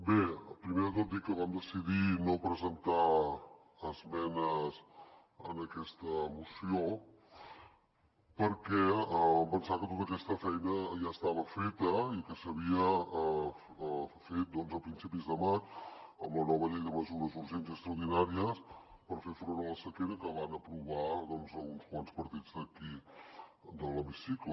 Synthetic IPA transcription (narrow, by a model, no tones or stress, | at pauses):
bepɾimeɾðət̪ot̪̚d̪ikːəβamd̪əsiðinopɾəzənt̪aː | zmɛnəz | ə̰nəkɛst̪əːmusio | pəɾkɛəβampənsakət̪ot̪əkɛst̪əfɛjnəʒaəst̪aβ̞əfet̪əikəsəβ̞iə | fet̪̚d̪ɔnzəpɾinsipizðəmat͡ʃəmlənɔβəʎɛjðəməzuɾəzuɾʒenzəkst̪ɾəuɾð̞inaɾiəspəɾfeɾfɾonolˠəsəkeɾəkəβanəpɾuβ̞aðɔnzəlˠɣunskwanspəɾt̪id͡zd̪əki | d̪ələmisiklə